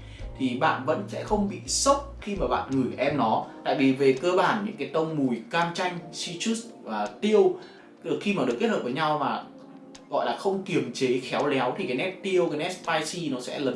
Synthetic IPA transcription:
t̪ʰi˨˩ɓa̰ː˧˨nvə̰˧˥nsɛ̰˧˥xə˧wŋ͡mɓḭ˧˨sə˦˥wp̚xi˧maː˨˩ɓa̰ː˧˨nŋɨ˨˧˩jʔɛ˧mnɔ˨˦t̪a̰ː˧˨jvi˨˩ve˨˩kəː˧ɓaː˧˩nɲɨ̰˧˥ŋkaː˨˦jt̪ə˧wŋ͡mmu˨˩jkaː˧mt͡ɕa˧jŋ̟si˧t͡ɕu˦˥svaː˨˩t̪i˧əw | ɨ˨˩kxi˧maː˨˩ɗɨ˨˩kːt̚həː˨˩əː˨˦jɲa˧wmaː˨˩ | ɣɔ̰˧˨jlaː˨˩xə˧wŋ͡mki˨˩əmt͡ɕe˨˦xɛ˨˦wlɛ˨˦wt̪ʰi˨˩kaː˨˦jnɛ˦˥p̚t̪i˧əwkaː˨˦jnɛ˦˥spaː˧jsi˧nɔ˨˦sɛ̰˧˥lə˨˦

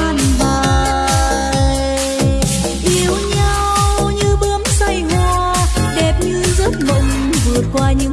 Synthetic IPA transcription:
a˧nvəː˨˩ | j | ʔi˨˦əwɲa˧ww | ɲɨ˧ɓəː˨˦əmsa˧jŋɔ˧˩ | ɗɛ˨˩p̚ɲɨ˧zə˦˥t̚mə̰˧˨wŋ͡m | vɨ˨˩ət̚kwaː˧ɲɨ̰˧˥

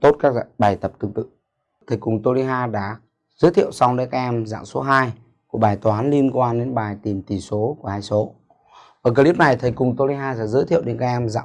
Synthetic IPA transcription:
t̪o˦˥t̚kaː˦˥kɓaː˨˩jt̪ə˨˩p̚t̪ɨ˨˩ŋt̪ɨ̰˧˨ | t̪ʰə˨˩jkʊ˨˩ŋ͡mt̪o˧li˧ɦaː˧ɗa̰ː˧˥˩ | z̥əː˨˦jt̪ʰi˧˨ə˨wsɔ˧wŋ͡mɗe˨˦nkaː˦˧˥ʔ̚ɛ˧mza̰ː˧˨ŋso˨˦ɦaː˧j | ku˧˩əɓaː˨˩jt̪waː˨˦nli˧ənkwaː˧nɗe˨˦nɓaː˨˩jt̪i˨˩mt̪i˨˩so˨˦ku˧˩əhaː˧jso˨˦ | ʔəː˧˩kəː˧li˦˥p̚na˨˩jt̪ʰə˨˩jkʊ˨˩ŋ͡mt̪o˧li˧ɦaː˧sɛ̰˧˥zəː˨˦jt̪ʰḭ˧˨əwɗe˨˦nkaː˦˧˥k̚ʔɛ˧mza̰ː˧˨

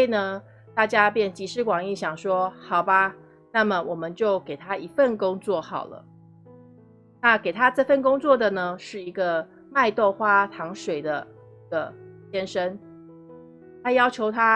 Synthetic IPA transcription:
e˥˩ɪnə˧˩ | t̪a˥˩t͡ɕja˦˥pjɛ˥˩nt͡ɕi˧˥ʂɻ̩˥˩kwɑ˨˩ŋi˥˩ɕjɑ˨˩ŋʂwɔ˥xɑ˨˩ʊba˧ | na˥˩mə˨˩wʔɔ˨˩mə˦nt͡ɕjo˥˩ʊke˨˩ɪt̪ʰa˥i˧˥fə˥˨nkʊ˥ŋt͡swɔ˥˩xɑ˨˩ʊlə̰˦ | na˥˩ke˨˩ɪt̪ʰa˦˥ʈ͡ʂɤ˥˧fə˥˩nkʊ˥ŋt͡swɔ˥˩d̪ə˨˩nə˦ʂɻ̩˥˩i˧˥ɡə˧ | ma˥˧ɪt̪o˥˩ʊxwa˥t̪ʰɑ˧˥ŋʂwe˨˩ɪd̪ə˦ | i˧ɡ̥ə˨˩ɕjɛ˥nʂə˥n | t̪ʰa˥jɑ˥ʊt͡ɕʰjo˧˥ʊt̪ʰa˦

